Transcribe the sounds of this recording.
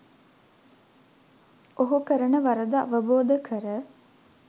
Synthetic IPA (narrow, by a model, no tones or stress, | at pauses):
oɦukəɾənəʋaɾəd̪əa̰ʋəboːd̪əkʰəɾə